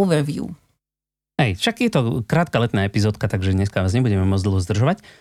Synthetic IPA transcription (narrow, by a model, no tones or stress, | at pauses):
ʋɛɾvjṵ | hɛjʃakjɛt̪ɔkɾaːt̪kalɛt̪naːɛpizɔːt̪kat̪aɡʒɛɲɛskaʋaːzɲɛbuɟɛmɛmɔd͡zd̪l̩ɦɔzd̪r̩ʒɔʋac